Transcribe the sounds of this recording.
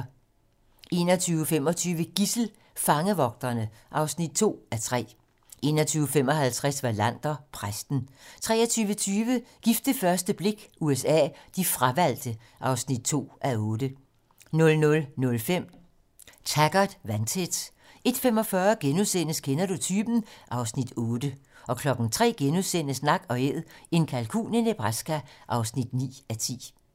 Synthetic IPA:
e̝ːnɒt͡sʰyːʊəfem̰ɒ̽t͡sʰyːʋəɡ̥isl̩ | fɑ̈ŋəʋɒ̽ɡ̥̚d̥ɐnəʔɑ̈ʊsnid̥̚t͡sʰo̝̰ːæt͡sʰʁɛ̰ː | ʔe̝ːnɐt͡sʰyːʊəfem̰ɒ̽hælt͡sʰʁasʋɑlæn̰d̥ɐpʰʁasd̥n̩t͡sʰʁɛ̰ːɐt͡sʰyːʋət͡sʰyːʋəɡ̥ifd̥əfɶɐsd̥əb̥le̝ɡ̥uesɛ̰ːd̥ifʁaʋæl̰d̥ə | ʔɑ̈ʊsnid̥̚t͡sʰo̝̰ːʔæɔ̽ːd̥ə | nɔ̽lnɔ̽lnɔ̽lfem̰ | t͡sʰæɡ̥ɐd̥ʋænt͡sʰed̥ | e̝d̥fem̰ɒ̽fɶɐɡ̥enuðˠsen̰əskʰenɐd̥ut͡sʰyːb̥n̩ʔɑ̈ʊsnid̥ɔ̽ːd̥əɒ̽kʰlɒ̽ɡ̥n̩t͡sʰʁɛ̰ːɡ̥enuðˠsenəsnɑ̈ɡ̥ɒ̽e̝ð̰ˠe̝nkʰælkʰṵːnənəb̥ʁasɡ̥æʔɑ̈ʊsnid̥nḭːæt͡sʰḭː

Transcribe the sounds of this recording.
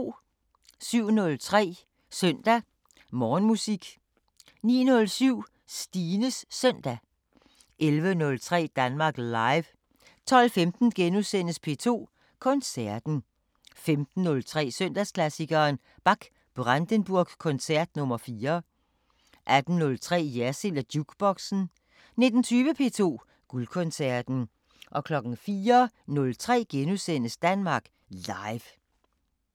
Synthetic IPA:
syʊ̰nɔ̽lt͡sʰʁɛ̰ː | sœnd̥æ | mɒːnmusiɡ̥ | nḭːnɔ̽lsyʊ̰ | sd̥iːnəsːœn̰d̥æ | ʔelʋənɔ̽lt͡sʰʁɛ̰ːd̥ænmɑ̈ːɡ̥lɑ̈ɪʋ | t͡sʰɒ̽lfemd̥n̩ɡ̥enusen̰əspʰe̝̰ːt͡sʰo̝̰ː | kʰɒ̽nsæɐd̥n̩ | femd̥n̩ːɔ̽lt͡sʰʁɛ̰ːsœn̰d̥æskʰlæsiɡ̥ɐːn | b̥ɑ̈ɡ̥ | b̥ʁand̥ənb̥uɐɡ̥kʰɔ̽nsæɐ̰d̥nɔ̽mɐfiːɐ | ʔæd̥n̩ːɔ̽lt͡sʰʁɛ̰ːjæɐsilæd̥juɡ̥b̥ɒɡ̥sn̩ | ne̝d̥n̩t͡sʰyːʋəpʰe̝̰ːt͡sʰo̝̰ː | ɡ̥ulkʰɔ̽nsæɐd̥n̩ | ʔɒ̽kʰlɒ̽ɡ̥ŋ̩fiːɐ | nɔ̽lt͡sʰʁɛ̰ːɡ̥enusen̰əsd̥ænmɑ̈ːɡ̥ | lɑ̈ɪʋ

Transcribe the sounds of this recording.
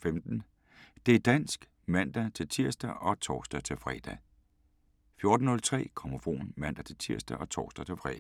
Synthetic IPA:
femd̥n̩ | d̥e̝æɐd̥æn̰sɡ̥ | mæn̰d̥æt͡sʰe̝lt͡sʰiɐsd̥æʔɒ̽t͡sʰɒːsd̥æt͡sʰe̝lfʁɛ̰ːd̥æ | fjo̝ɐd̥n̩ːɔ̽lt͡sʰʁɛ̰ːkʰɒmofo̝̰ːnmæn̰d̥æt͡sʰe̝lt͡sʰiɐ̰sd̥æʔɒ̽t͡sʰɒ̰ːsd̥ɐt͡sʰe̝lfʁɛ̰ː

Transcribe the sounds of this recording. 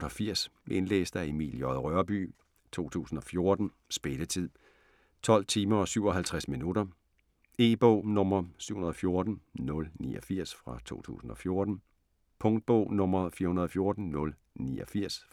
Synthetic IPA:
ɒfiɐ̰se̝nlḛːsd̥æemḭːljɒ̽ðˠʁɶɐb̥y̰ː | t͡sʰo̝̰ːt͡sʰṵːsn̩ɒ̽fjo̝ɐd̥n̩ | sb̥e̝lət͡sʰið̰ˠ | t͡sʰɒ̽l̰t͡sʰiːmɐɒ̽syʊ̰ɒ̽ɦælt͡sʰʁasminudɐ | e̝ːb̥ɔʊ̰nɔ̽mɐsy̰ʊhunɐð̩ˠfjo̝ɐd̥n̩nɔ̽lnḭːʔɒfiɐ̰sfʁɑ̈t͡sʰo̝̰ːt͡sʰṵːsn̩ɒ̽fjo̝ɐd̥n̩ | pʰɔ̽ŋd̥̚b̥ɔ̰ʊ̰nɔ̽mɐfiːɐhunɐðˠɒfjo̝ɐd̥n̩nɔ̽l | nḭːɒfiɐ̰s

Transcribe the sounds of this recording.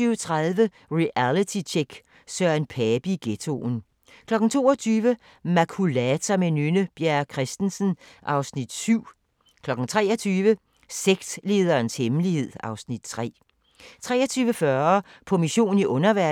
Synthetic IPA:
yːʊət͡sʰʁaðˠʋə | ʁiʔælit͡sʰit͡ɕʰeɡ̥ | sœɐnpʰɛːb̥iɡ̥et͡sʰo̝̰ːn | kʰlɒ̽ɡ̥n̩t͡sʰo̝̰ːɐt͡sʰyːʋə | mækʰulæt͡sʰɐmenynəb̥jæɐkʰʁɛsd̥n̩sn̩ʔɑ̈ʊsnid̥syʊ̰ | kʰlɒ̽ɡ̥n̩t͡sʰʁɛːɐt͡sʰyːʋə | seɡ̥sle̝ːð̞ˠɐːnshemlihe̝ð̞̰ˠɑ̈ʊsnid̥̚t͡sʰʁɛ̰ː | t͡sʰʁɛ̰ːɐt͡sʰyːʋəfɶɐpʰɒ̽miɕo̝̰ːn̩iʔɔ̽nɐʋæɐ

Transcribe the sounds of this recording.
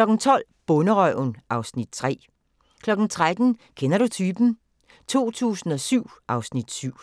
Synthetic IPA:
lɒ̽ɡ̥n̩t͡sʰɒ̽l̰ | b̥ɔ̽nəʁœʊnʔɑ̈ʊsnid̥̚t͡sʰʁɛ̰ː | kʰlɒ̽ɡ̥n̩t͡sʰʁad̥n̩kʰenɐɾut͡sʰyːb̥n̩ | t͡sʰo̝̰ːt͡sʰṵːsn̩ɒ̽syʊ̰ʔɑ̈ʊsnid̥syʊ̰

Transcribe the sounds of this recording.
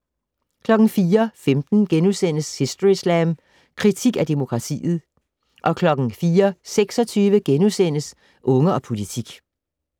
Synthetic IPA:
kʰlɒ̽ɡ̥ŋ̩fiːɐfemd̥n̩ɡ̥enusen̰əshisd̥islæm | kʰʁit͡sʰiɡ̥æd̥e̝mo̝kʰʁɑ̈t͡sʰḭːð̩ˠ | ʔɒ̽kʰlɒ̽ɡ̥n̩fiːɐseɡ̥sɒ̽t͡sʰyːʋəɡ̥enusen̰əs | ʔɔ̽ŋəɒ̽pʰo̝lit͡sʰiɡ̥

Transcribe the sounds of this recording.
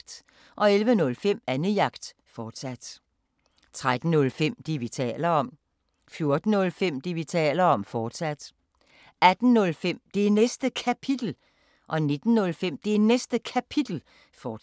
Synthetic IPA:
d̥ | ʔɒ̽elʋənɔ̽lfem̰ænəjɑ̈ɡ̥d̥ | fɒːd̥sæd̥ | t͡sʰʁad̥n̩ːɔ̽lfem̰d̥iʋit͡sʰɛ̰ːlɐɒ̽m̰ | fjo̝ɐd̥n̩ːɔ̽lfem̰d̥iʋit͡sʰɛ̰ːlɐɒ̽mfɒːd̥sæd̥ | æd̥n̩nɔ̽lfem̰d̥e̝nesd̥əkʰæpʰid̥l̩ | ʔɒ̽ne̝d̥n̩ːɔ̽lfem̰d̥e̝nesd̥əkʰæpʰid̥l̩ | fɒː

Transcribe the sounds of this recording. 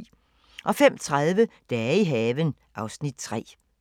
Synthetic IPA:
ʔɒ̽fem̰t͡sʰʁaðˠʋəd̥ɛːiɦɛːʋən | ʔɑ̈ʊsnid̥̚t͡sʰʁɛ̰ː

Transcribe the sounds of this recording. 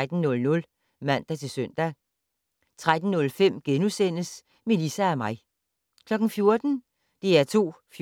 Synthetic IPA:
d̥n̩ːɔ̽lnɔ̽l | mæn̰d̥æt͡sʰe̝sœn̰d̥æ | t͡sʰʁad̥n̩ːɔ̽lfem̰ɡ̥enusen̰əs | melisæːmɑ̈ɪ | kʰlɒ̽ɡ̥n̩fjo̝ɐd̥n̩ | d̥e̝æɐt͡sʰo̝̰ː | f

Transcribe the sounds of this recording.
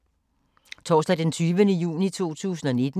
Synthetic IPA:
t͡sʰɒ̰ːsd̥ɛd̥ent͡sʰyːʋənəjṵːnit͡sʰo̝̰ːt͡sʰṵːsn̩ɒne̝d̥n̩

